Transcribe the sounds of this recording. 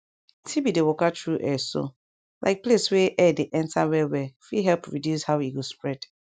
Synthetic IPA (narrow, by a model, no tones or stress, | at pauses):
tʰibidewɔkatʰɹuʔɛso̰ | lʔa̰ɪk̚pleswɛʔɛdeʔɛ̃ntʰawɛwɛfiɦɛlpɹidjushawiɡospɹɛd̥